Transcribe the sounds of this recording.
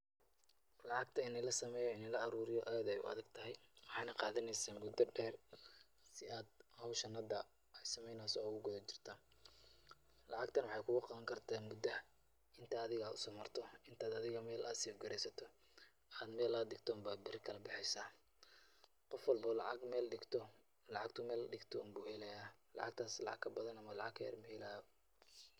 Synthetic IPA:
lɑʕɑɡ̚t̪ʰɐɪnɛlɐsɐmɛːjɔɪnɛlɐʔɑɾuːɾɪjɔʔɐjɐðɛjʊ̰ɐ̰ðɐɡt̪ʰɐɦɛjwɑħɑːjnɐqɑːðɐnɛjsaːmʊd̪ɐɖɛːr | sɪʔaːd̪̚hɐwʃɐnːɐd̪ɐ | jsɐmɛjnaːsɔʊɣʊɡɔðɔt͡ʃɪ̥r̥t̪ʰa | lɑʕɑɡt̪ʰɐnwɑħɑjkʰʊɣʊqɑðɐŋkʰɐrt̪ʰaːnmʊd̪ɐ | ɪnt̪ʰɐːðɪɣaːdʊsɔːmɐrt̪ʰɔɪnt̪ʰaːd̪ɐðɪɣɐmɛːlɐsiːfɡɐɾɛjsɐt̪ʰɔ | aːd̪mɛːlɐd̪dɪɡt̪ʰɔːmbaːbɪrkʰɐlɐbɪħɛjsaː | qɔfwɑlbɐlɑ̰ʕɑɡmɛːlɖɪɡt̪ʰɔ | lɑʕɑɡ̚t̪ʰʊmɛːlɖɪɡt̪ʰɔːnbuːhɛlɛjaːlɑ̰ʕɑ̰ɡ̚t̪ʰaːslɑ̰ʕɑ̰ɡkʰɐbɐðɐnɐmɐlɑ̰ʕɑ̰ɡkʰɐ̰jɐ̰rmɛɪlaː

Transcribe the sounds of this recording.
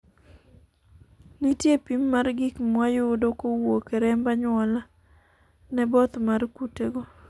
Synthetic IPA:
nitjepimːarɡikmwajodokowokeɾɛmbaɲwɔla | nɛbɔt̪markuteɡo

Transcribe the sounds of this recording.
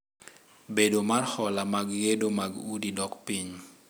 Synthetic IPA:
bedomarhɔlamaɡɡedomaɡudidɔkpiɲ

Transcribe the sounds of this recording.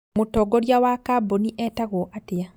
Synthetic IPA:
motɔɡoɾjawakaboniʔɛtaɣɔʔatɪa

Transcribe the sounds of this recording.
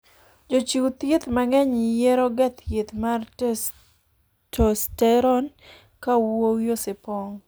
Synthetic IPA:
d͡ʒot͡ʃit̪jet̪maŋɛɲɪjɛɾɔɡɛt̪jet̪mar | tostɛɾɔn | kawowjosɪpɔŋ

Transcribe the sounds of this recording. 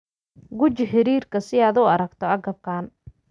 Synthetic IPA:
ɡʊt͡ʃɪħɪɾiːrkʰɐsɪaːd̪uːɐɾɐɡt̪ʰɔɐɡɐb̚kʰaːn

